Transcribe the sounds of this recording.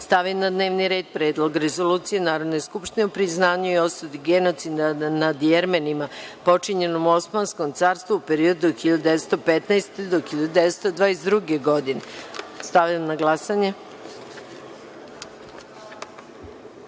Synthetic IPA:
st̪aʋimnad̪ne̞ːʋniɾeːd̪̚pɾeːd̪lˠo̞ɡɾezo̞luːt̪sije̞naːɾod̪ne̞skupʃt̪ineupɾiznaːɲuio̞sud̪iɡeno̞t̪sid̪anad̪jeɾmenimapo̞t͡ʂiɲe̞no̞mo̞smansko̞mt̪saːɾst̪ʋuupe̞ɾio̞d̪uxiʎad̪ud̪eest̪o̞pet̪naest̪ed̪oxiʎad̪ud̪eest̪od̪ʋaːesd̪ɾuɡe̞ɡo̞d̪inest̪aʋimnaɡlˠasaɲe

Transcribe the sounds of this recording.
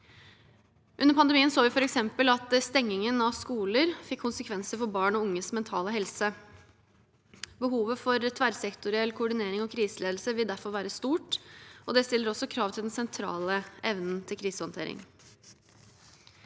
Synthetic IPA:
ʔʉnːəɾpʰɑnd̪əɛmiːənsoːʋɪfɔɾɛksɛmpəlɑt̪st̪ɛŋːɪŋənɑʋskuːləɾfɪkʰːʊnsəkʰʋɛnsəfɔɾbɑːɳɔʊŋːəsmɛnt̪ʰɑːləɦɛlsə | bəɦuːʋəfɔɾt̪ʰʋæɾsɛkt̪ʊɾɪɛlkʰʊʊɖɪneːɾɪŋɔkʰɾiːsəleːd̪l̩səʋɪld̪æɾfɔɾʋæːɾəst̪uːʈʔɔd̪ɛst̪ɪlːəɾɔsɔkʰɾɑːʋt̪ʰɪld̪ɛnsɛnt̪ʰɾɑ̰ːləʔɛʋnn̩t̪ʰɪlkʰɾiːsəhɑnt̪ʰḛːɾɪ̰ŋ

